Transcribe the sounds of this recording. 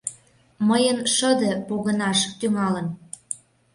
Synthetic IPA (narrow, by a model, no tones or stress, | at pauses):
məjənʃə̆d̪ɤ̆poɣə̆nɑʃə̥̆k̚t̪yŋɑlə̆n